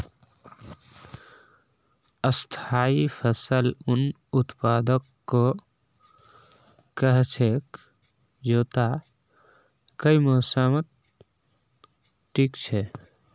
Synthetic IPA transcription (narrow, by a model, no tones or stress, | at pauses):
əst̪ʰaːipʰəsəlʊn | ʊt̪paːd̪əkːo | kəɦt͡ʃʰek | d͡ʒoːt̪a | kəimoːsaːmət̪̚ | ʈʰiːkt͡ʃʰe